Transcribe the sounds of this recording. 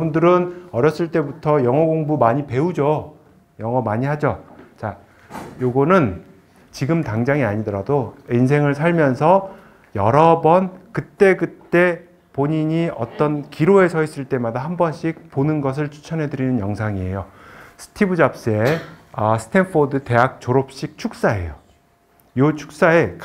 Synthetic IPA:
bundɯɾɯnʌɾjʌs͈ɯɭt͈e̞butʰʌjʌŋʌɡoŋbumaɲipe̞ud͡ʑo | jʌŋʌmaɲihad͡ʑot͡ɕa | joɡonɯn | t͡ɕiɡɯmtaŋd͡ʑaŋiaɲidʌɾadoins̬ʰe̞ŋɯɭsʰaɭmjʌnsʰʌ | jʌɾʌbʌnkɯt͈e̞ɡɯt͈e̞ | poɲiɲiʌ̰t͈ʌnkiɾoe̞sʰʌɦis͈ɯɭt͈e̞madaɦambʌnɕ͈ʰik̚ponɯnɡʌs̬ʰɯɭt͡ɕʰu̥t͡ɕʰʌnɦe̞dɯɾinɯnjʌŋsʰaŋie̞̰josʰɯ̥tʰibud͡ʑap̚s͈ɯeʌsʰɯ̥tʰenfʰodɯte̞ɦak̚t͡ɕoɾop̚ɕ͈ik̚t͡ɕʰuk̚s͈ae̞̰jo | jot͡ɕʰu̥k̚s͈ae̞k

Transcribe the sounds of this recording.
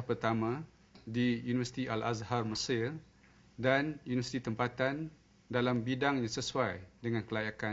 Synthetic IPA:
pərt̪amã | dijunivərsi̥t̪iʔala̰zharməsɪr | danjunivəsi̥t̪it̪əmpat̪an | dalambidaŋɲãsəsuajdəŋãnkəlajaka

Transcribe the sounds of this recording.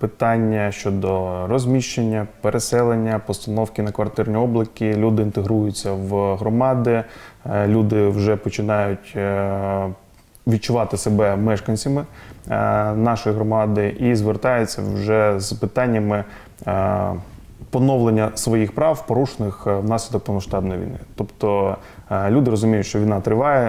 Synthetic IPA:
pɪt̪ɑnʲːɐʃt͡ʃɔd̪ɔrɔzʲmʲiʃt͡ʃenʲːɐpeɾesɛlˠenʲːɐpɔst̪ɐnɔwkʲɪnɐkʋɐrt̪ɪrnʲiɔblˠɪkʲilʲud̪ɪint̪eɦɾujʊt͡sʲːɐwɦɾɔmɑd̪ɪlʲud̪ɪwʒɛpɔt͡ʃɪnɑjʊtʲ | ʋʲid̪̚t͡ʃʊʋɑt̪ɪsebɛmɛʃkɐnʲsʲimɪ | nɑʃɔjɦɾɔmɑd̪ɪʔizʋert̪ɑjʊt͡sʲːɐ̰wʒɛzpɪt̪ɑnʲːɐmɪ | pɔnɔʋlˠenʲːɐsʋɔjixpɾɑwpɔɾuʃenɪxwnɑsʲlʲid̪ɔk̚pɔmɐʃt̪ɑbnɔjiʋʲḭjnɪ̰t̪ɔpt̪ɔ | lʲud̪ɪɾɔzʊmʲijʊtʲʃt͡ʃɔʋʲijnɑt̪ɾɪʋɑjɛ

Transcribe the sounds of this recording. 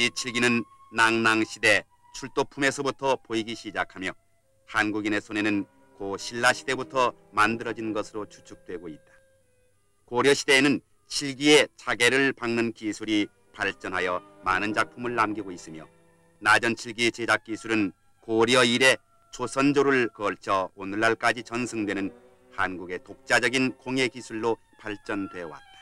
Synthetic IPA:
it͡ɕʰiɭɡinɯnː | aŋnaŋɕʰide̞ | t͡ɕʰuɭt͈opʰume̞sʰʌbutʰʌpoiɡiɕʰid͡ʑakʰamjʌ | hanɡuɡine̞sʰone̞nɯn | koɕʰiɭːaɕʰide̞butʰʌ | mandɯɾʌd͡ʑinɡʌsʰɯɾot͡ɕʰu̥t͡ɕʰuk̚t͈we̞ɡoit̚t͈ḁ | koɾjʌɕʰide̞ːnɯn | t͡ɕʰiɭɡie̞t͡ɕaɡe̞ɾɯɭpaŋnɯnkisʰuɾi | paɭt͡ɕ͈ʌnɦajʌ | manɯnd͡ʑak̚pʰumɯɭːamɡiɡois͈ɯmjʌ | nad͡ʑʌnt͡ɕʰiɭɡit͡ɕed͡ʑak̚k͈isʰuɾɯn | koɾjʌiɾe̞ | t͡ɕosʰʌnd͡ʑoɾɯɭkʌɭt͡ɕʰʌonɯɭːaɭk͈ad͡ʑit͡ɕʌnsʰɯŋdwe̞nɯn | hanɡuɡe̞tok̚t͡ɕ͈ad͡ʑʌɡinkʰoŋe̞kisʰuɭːo | paɭt͡ɕ͈ʌndwe̞wa̰t̚t͈ḁ

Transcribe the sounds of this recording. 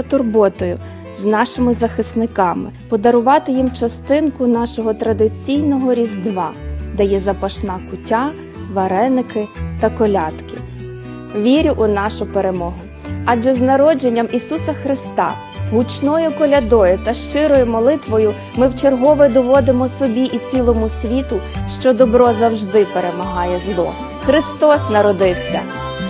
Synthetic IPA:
ɐt̪ʊrbɔt̪ɔjʊ | znɑʃɪmɪzɐxɪsnɪkɑmɪ̰pɔd̪ɐɾʊʋɑt̪ɪjimt͡ʃɐst̪ɪnkʊnɑʃɔɦɔt̪ɾɐd̪ɪt͡sʲijnɔɦɔɾʲizd̪ʋɑd̪ɛjɛzɐpɐʃnɑkʊtʲa | ʋɐɾɛnɪkɪt̪ɐkɔlʲɑt̪kɪ̰ | ʋʲiɾʲʊʔʊnɑʃʊpeɾemɔɦʊ | ɑd͡ʒɛznɐɾɔd͡ʒenʲːɐmisusɐxɾɪst̪ɑ̰ | ɦʊt͡ʃnɔjʊkɔlʲɐd̪ɔjʊt̪ɐʃt͡ʃɪɾɔjʊmɔlˠɪt̪ʋɔjʊ | mɪwt͡ʃerɦɔʋɪd̪ɔʋɔd̪ɪmɔsɔbʲiʔit͡sʲilˠɔmʊsʲʋʲit̪ʊʃt͡ʃɔd̪ɔbɾɔzɐwʒd̪ɪpeɾemɐɦɑjɛzlˠɔ̰ | xɾɪst̪ɔsnɐɾɔd̪ɪwsʲɐ̰

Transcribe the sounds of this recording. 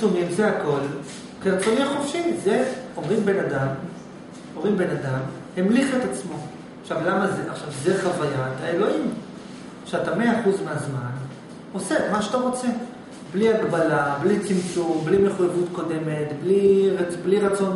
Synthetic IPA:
omimzeako̞l | keʁt͡sonimχofʃize̞o̞mʁimbe̞nadam | omʁimbe̞nadam | hemliχet̪at͡smo̞ | aʃavlamazeʔaχʃavzeχavajaet̪aelo̞ʔim | aχʃeatame̞aːχuzmeazman | o̞semaʃeat̪aʁo̞t͡se̞ | bliaɡbalablit͡simt͡sumblimeχujavutko̞de̞me̞tbliʁbliʁat͡so̞n

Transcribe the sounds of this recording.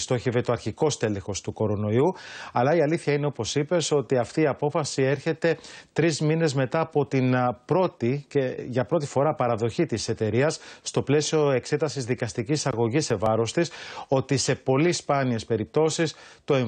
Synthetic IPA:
st̪o̞çivet̪oɐɾçiko̞st̪e̞lexo̞st̪uko̞ɾo̞no̞iuɐlɐiɐliθçɐine̞o̞po̞sipe̞so̞t̪iɐft̪iːɐpo̞fɐsie̞ɾçe̞t̪e̞t̪ɾizmine̞zme̞t̪ɐːpo̞t̪inpɾo̞t̪iceʝɐpɾo̞t̪i̥fo̞ɾɐpɐɾɐðo̞çit̪ise̞t̪e̞ɾiɐsːt̪o̞ple̞sio̞e̞kse̞t̪ɐsizðikɐst̪icisɐɣo̞ʝise̞vɐɾo̞st̪iso̞t̪ise̞po̞lispɐnie̞spe̞ɾip̚t̪o̞sist̪o̞e

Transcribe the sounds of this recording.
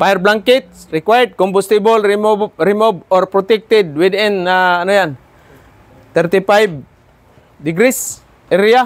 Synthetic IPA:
pajɛrblaŋkit̪̚rikwajəd̚kɔmbust̪ibəlimuɾimubɔrpɾɔt̪ɛk̚t̪ɛd̚widinanujan | t̪ɛrt̪ipajb | diɡɾis | ɛɾia

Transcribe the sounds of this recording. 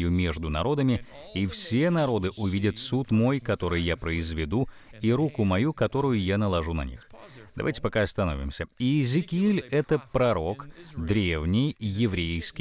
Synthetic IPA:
jʊmʲe̞ʐd̪ʊnɐɾo̞d̪əmʲɪ | ifsʲe̞nɐɾo̞d̪ɨʔʊvʲidʲət̪sut̪mo̞jkɐt̪o̞ɾɨjjapɾəɪzvʲɪd̪u | iɾukʊmɐjukɐt̪o̞ɾʊjʊjanəlˠɐʐunɐ̰nʲḭxd̪ɐ̰va̰jʲtʲɪ̥pɐkaɐst̪ɐno̞vʲɪ̰msʲəiːzʲɪkʲɪilʲɛt̪əpɾɐɾo̞kd̪ɾʲe̞vnʲɪjːɪvɾʲejskʲɪ

